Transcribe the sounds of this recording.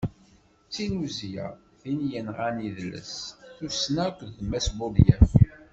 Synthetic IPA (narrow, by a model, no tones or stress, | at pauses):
t͡sːinuzjæ̰ | θinjənʁæniðlə̰sθusnækʷðθmæsbuljæ